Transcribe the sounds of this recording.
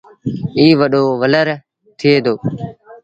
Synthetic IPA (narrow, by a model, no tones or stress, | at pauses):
iːʋəɗoːʋələɾ | t̪ʰɪeːd̪oː